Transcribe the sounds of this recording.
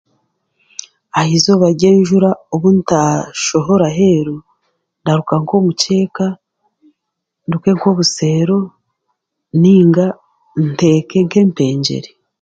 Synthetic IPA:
ahizoβaɾɟe̞ːɲʒuɾaoβuntaʃo̞ɦo̞ɾaɦe̞ɾu | ndaɾukaŋko̞muce̞ːka | ndukwe̞ŋko̞βuse̞ːɾo̞ | niːŋɡa | nte̞ːke̞ŋke̞ːmpe̞ːɲɟe̞̰ɾe

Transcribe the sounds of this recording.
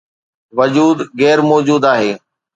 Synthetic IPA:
ʋɐd͡ʑuːd̪ɣɛːɾmɔːd͡ʑuːd̪aːɦeː

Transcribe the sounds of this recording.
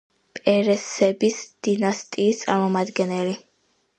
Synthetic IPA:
pʼɛːɾɛsɛbɪsd̪̥inɐst̪ʼiːt̪sʼɐɾmɔmɐd̪ɡɛnɛɾɪ

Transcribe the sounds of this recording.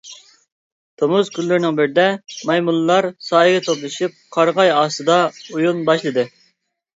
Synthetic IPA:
t̪ʰomuzkʰʲylːɪɾɪnɪŋbɪɾɪd̪ɛmɑjmulˠːɑɾsɑːɨɡʲɛt̪ʰoplˠɨʃip̚qʰɑɾʁɑjɑːsɨd̪ɑujunbɑʃlˠɨd̪ɨ

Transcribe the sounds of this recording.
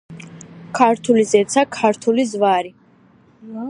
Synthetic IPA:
kʰaɾt̪ʰulizɛt̪sʰakʰaɾt̪ʰulizvaɾi

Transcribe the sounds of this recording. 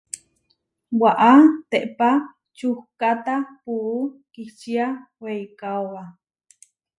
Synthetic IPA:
bwaʔat̪eʔpa | t͡ʃuhkat̪apuʔːkiht͡ʃia | wejkawwa

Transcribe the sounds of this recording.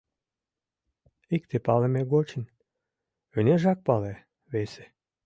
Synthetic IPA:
ikt̪epɑlemeɡot͡ɕən | ønʲeʒɑk̚pɑle | βese̥

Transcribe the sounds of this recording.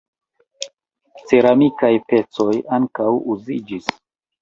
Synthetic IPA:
t͡se̞ɾamikajpe̞t͡so̞jaŋkawuzid͡ʒis

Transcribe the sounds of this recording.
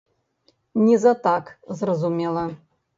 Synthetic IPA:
nʲizɐt̪akzrɐzumʲelˠɐ

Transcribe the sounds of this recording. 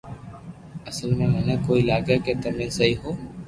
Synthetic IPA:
əsəlmẽːnənə̃ːkoːilaːɡɛket̪əmẽːsəɦiːɦoː

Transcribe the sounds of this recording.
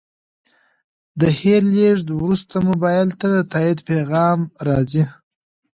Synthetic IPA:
d̪əheɾleʐd̪wɾust̪amʊbɑjɪlt̪ad̪ət̪ɑid̪peɣɑmɾɑzi

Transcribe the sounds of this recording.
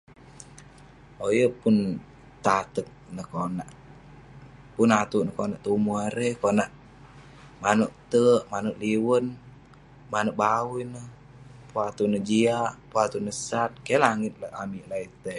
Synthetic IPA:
ojəpun | t̪at̪ək̚nəkonaʔ | punat̪uʔnəkonaʔt̪umuaɾekonaʔ | manuʔt̪əʔmanuʔliwən | manəʔbawunə | puat̪unəd͡ʒiaʔpuat̪unəsat̪̚kaəlaŋɪt̪̚laʔamiʔlait̪ɛ

